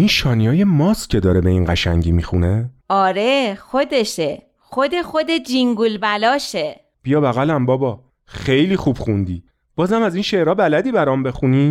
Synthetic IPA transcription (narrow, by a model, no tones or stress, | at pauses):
inʃɒːnijɒːje̞mɒscʲʰe̞d̪ɒːɾebe̞inɢæʃæ̰ŋɟiːmixuneɒːɾexod̪eʃe | xod̪exod̪ed͡ʒiŋɡulbælɒːʃe | b̥ijɒːbæɣælæmbɒːbɒ | xejliːxubxund̪iː | b̥ɒːzæmæziːnʃe̞ʔɾɒːbælæd̪iːbæɾɒːmbe̞xuni